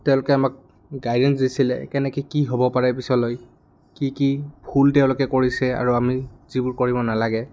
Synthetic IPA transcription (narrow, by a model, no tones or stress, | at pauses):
tɛʊ̃lʊkɛamak̚ | ɡajdɛnsdisilɛ̰kɛnɛkikiɦobɔpaɹapisɔloj | kikibʱultɛʊ̃lɔkɛkoɹisɛa̰ɹuamizibʊɹkoɹibɔnalaɡɛ